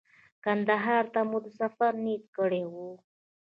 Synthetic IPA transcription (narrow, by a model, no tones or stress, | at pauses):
kand̪aɦɑɾt̪amud̪əsafaɾnid̪kəɽewu